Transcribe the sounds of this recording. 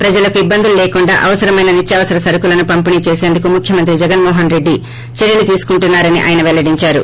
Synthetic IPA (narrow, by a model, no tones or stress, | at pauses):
pɾɐd͡ʒɐlɐkuibːɐnd̪ululeːkuɳɖaːʔɐʋɐsɐɾɐmɐjnɐnit͡ʃːɐʋɐsɐɾɐsɐɾukulɐnupɐmpiniːt͡ʃe̞ːse̞ːnd̪ukumukʰjɐmɐnt̪ɾid͡ʒɛɡɐnmɔːɦɐnɾe̞ɖːi | t͡ʃeɾjɐlit̪iːsu̥kuɳʈunːaːɾɐniʔa̰ːjɐnɐʋɛlɐɽiɲt͡ʃaːɾṵ